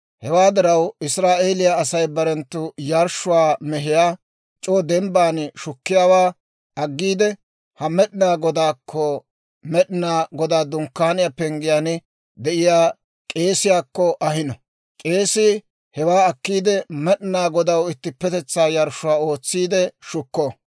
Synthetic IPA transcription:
hɛwaːd̪ɪɾɐwɪsɾaːʔe̞ːlɪjaːsɐjbɐɾɛnt̪ːʊjɐɾʃʊwaːmɛɦɪjaː | t͡ʃʼoːd̪ɛmbaːnʃʊkːɪjaːwaː | ʔɐɡːiːd̪ɛ | hɐmɛɗɪnaːɡɔd̪aːkʰːɔ | mɛɗɪnaːɡɔd̪aːd̪ʊŋkːaːnɪjapɛŋɡɪjaːn | d̪ɛʔɪjaː | kʼe̞ːsɪjaːkːɔʔɐhɪnɔ | kʼe̞ːsɪ | hɛwaːɐkːiːd̪ɛmɛɗɪnaːɡɔd̪ɐwɪt̪ːɪpːɛt̪ɛt͡sːaːjɐɾʃʊwaːo̞ːt͡sːiːd̪ɛʃʊkːoː

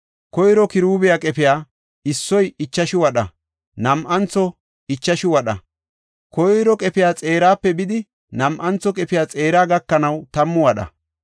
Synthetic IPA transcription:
kɔjɾɔkɪɾuːbɪjakʼɛpɪjaː | ɪsːɔjɪt͡ʃːɐʃɪwɐɗɐ | nɐmʔɐnt͡sːɔ | ɪt͡ʃːɐʃɪwɐɗɐ̰ | kɔjɾɔkʼɛpɪjaːt͡sʼe̞ːɾaːpːɛbɪd̪ɪ | nɐmʔɐnt͡sːɔkʼɛpɪjaːt͡sʼe̞ːɾaːɡɐkːɐnɐwt̪ɐmːʊwɐɗɐ̰

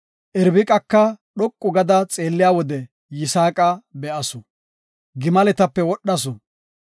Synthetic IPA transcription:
ʔɛɾbɪkʼɐkːɐɗɔkʼːʊɡɐd̪ɐt͡sʼeːlːɪjaːwɔd̪ɛ | jɪsaːkʼɐbɛʔɐsɔ | ɡɪmɐlɛt̪ɐpːɛwɔɗːɐsɔ

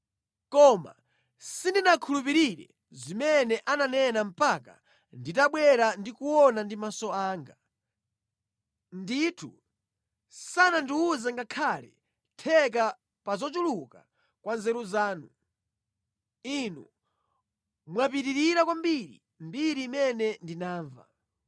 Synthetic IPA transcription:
kɔma̰ | sindinakʰulup̬iɾiɾɛ̰ | zimɛnɛʔananɛnam̩paka̰ | nditaɓwɛɾandikuwɔnandimasɔaːŋɡa | nditʰṵ | sanandiuzaŋɡakʰalɛ̰ | tʰɛk̬a | pazɔt͡ʃuluka | kwanzɛɾuzaːnu | inu | mwap̬itiɾiɾakwambiɾḭ | mbiɾiːmɛnɛndinaːɱva̰

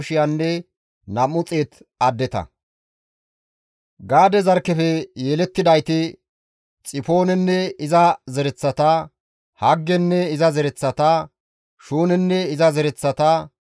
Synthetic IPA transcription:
ʃɪjanːɛ | nɐmʊt͡sʼe̞ːt̪ɐd̪ːɛt̪ɐ̰ | ɡaːd̪ɛzɐɾkːɛfɛjeːlɛt̪ːɪd̪ɐjt̪ɪ | t͡sʼɪfo̞ːnɛnːɛɪzɐzɛɾɛt͡sːɐt̪ɐ | hɐɡːɛnːɛɪzɐzɛɾɛt͡sːɐt̪ɐ | ʃuːnɛnːɛɪzɐzɛɾɛt͡sːɐt̪ɐ

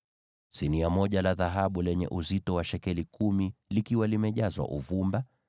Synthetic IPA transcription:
siniamɔʄalaðaɦaɓulɛɲɛ̰ʔuzitɔwaʃɛkɛlikumilikiwalimɛʄazwa̰ʔuvumba

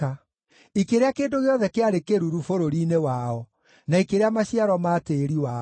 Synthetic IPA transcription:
a | ikeɾeakeːndoɣeɔðɛkeaɾekeɾuɾufoɾoɾiːnewaːɔ | naikeɾeamaɕiaɾɔmaːteɾiwa

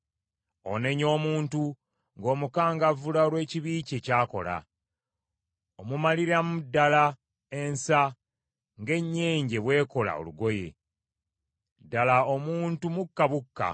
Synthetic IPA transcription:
o̞̰ne̞ɲo̞ːmuːntu | ŋɡo̞ːmukaːŋɡavulaolwe̞ːciβiːce̞caːko̞̰la̰ | omumaliɾamudːala | e̞nsa | ŋɡe̞ɲːe̞ːɲɟe̞βwe̞ːko̞la̰o̞̰luɡo̞je̞̰ | dːalaomuːntumukːaβukːa̰

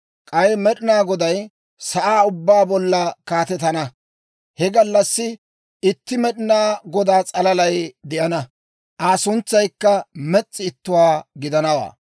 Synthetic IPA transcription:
kʼɐjmɛɗɪnaːɡɔd̪ɐj | sɐʔaːʊbːaːbɔlːɐkaːt̪ɛt̪ɐnɐ | hɛɡɐlːɐsːɪ | ɪt̪ːɪmɛɗɪnaːɡɔd̪aːt͡sʼɐlɐlɐjd̪ɛʔɐnɐ | ʔaːsʊnt͡sːɐjkːɐmɛt͡sʼːɪːt̪ːʊwaːɡɪd̪ɐnɐwa̰ː

